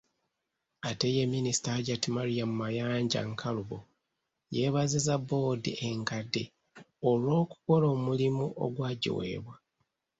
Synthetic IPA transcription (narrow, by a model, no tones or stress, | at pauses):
atejemːinisi̥taaɟatimaɾijamumajaːɲɟa̰ŋkʰaluβo | je̞βazizabo̞dḭʔeŋkadːe | olwo̞ːku̥ko̞lo̞ːmulimuʔo̰ɡwaːɟḭwe̞̰ːβwa